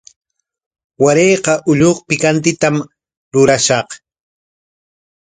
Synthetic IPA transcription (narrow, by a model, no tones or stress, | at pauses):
waɾejqɑʔʊʎoχpɪkant̪ɪt̪am | ɾʊɾaʃɑq